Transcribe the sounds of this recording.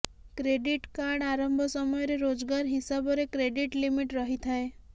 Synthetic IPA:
kɾeɖiʈkaɾɽaɾɔmbʱɔsɔmɔjɔɾeɾod͡ʒɡaɾɦisabɔɾekɾeɖiʈlimiʈɾɔɦit̪ʰae

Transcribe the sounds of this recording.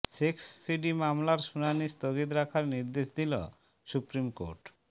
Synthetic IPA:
ʃeksːiɖimamlaɾʃunanist̪oɡit̪̬ɾakʰaɾniɾd̪eʃd̪ilo̰ | supɾimko̰ɾʈ

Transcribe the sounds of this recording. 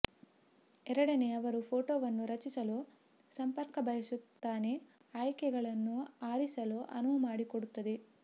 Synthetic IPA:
ɛɾɐɽɐneɐʋɐɾupʰo̞ːʈoːʋɐnːuɾɐt͡ʃisɐloː | sɐmpɐɾkɐbɐjɐsut̪ːaːne̞ | aːjkɛɡɐɭɐnːuaːɾisɐloːʔɐ̰nuʋɐmaːɽikoɽut̪ːɐd̪e̞

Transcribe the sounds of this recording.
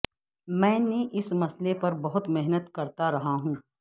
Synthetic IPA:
mɛ̃ːneʔɪsmɐslepɐɾbɐɦʊt̪mɪɦnət̪kɐɾt̪aɾɐɦaɦũː

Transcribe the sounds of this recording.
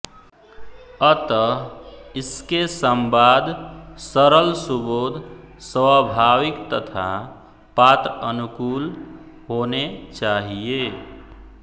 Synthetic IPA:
ət̪ə | ɪskesəmbaːd̪səɾəlsuboːd̪ʱsəbʱaːʋɪkt̪ət̪ʰa̰ | pat̪ɾənukuːl | ɦonet͡ʃaːɦie

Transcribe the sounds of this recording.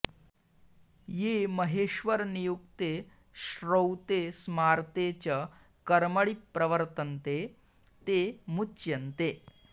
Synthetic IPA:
jeməɦeɕʋəɾnijukt̪e | ʃɾowt̪esmaɾt̪et͡ɕə | kəɾməɭipːɾəʋəɾt̪ənt̪e | t̪emutːt͡ɕjɐnt̪e

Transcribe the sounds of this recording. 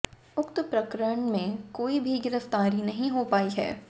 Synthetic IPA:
ʊkt̪pɾɐkɾəɳmẽkoːibʱiɡɪɾəft̪aːɾinɐɦĩɦoːpaːiɦɛ̰ː

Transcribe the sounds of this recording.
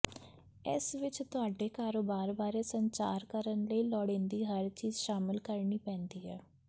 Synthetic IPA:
ɪ̰sʋɪt͡ʃt̪ʊaːɖeːkaːɾoːbaːɾbaːɾeːsəɲt͡ʃa̰ːɾkəɾənləiːlɔːɽẽːnd̪iːɦəɾt͡ʃiːzʃaːmɪlkəɾɳiːpɛ̃ːnd̪iːɦɛː

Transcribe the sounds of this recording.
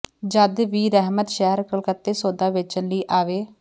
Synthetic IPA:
d͡ʒəd̪ʋiːɾɛɦmət̪ʃɛɦəɾkəlkət̪ːeːsoːd̪aːʋɪt͡ʃənləiːʔaːʋeː

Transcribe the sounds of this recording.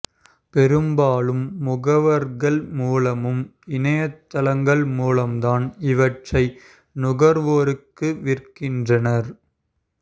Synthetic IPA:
pɛɾɯmbaːlɯmːʊɣɐʋɐɾɣɐɭmuːlɐmɯm | ɪnɐjɐt̪ːɐlɐŋɡɐɭmuːlɐmt̪aːnɪʋɐʈrɐɪ | nʊɣɐɾʋoːɾɯkːɯʋɪrkɪndrɐnɐɾ

